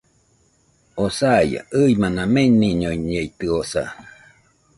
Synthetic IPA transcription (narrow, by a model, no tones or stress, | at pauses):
osaja̰ʔɯimanamenːiɲoiɲejt̪ɯosa̰